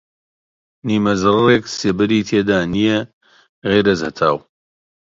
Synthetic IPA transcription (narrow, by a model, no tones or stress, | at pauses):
niːmɐzɨrreːkseːbɐɾiːt̪ʰeːd̪aːnije | ɣejɾɐzhɐ̰t̪ʰa̰ːw